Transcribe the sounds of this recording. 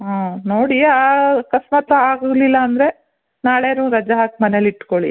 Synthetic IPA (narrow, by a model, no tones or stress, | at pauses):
ɦaːnoːɽiakɐsmat̪ɾɐaːɡlilːɐːnd̪ɾe̞ | naːɭeɐnuːɾɐd͡ʒaɦaːk̚mɐneliʈkoɭḭ